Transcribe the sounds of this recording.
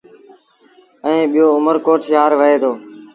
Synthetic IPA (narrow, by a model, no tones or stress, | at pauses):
əẽːɓɪjoːʊməɾkoːʈʰjaːɾʋəɦeːd̪oː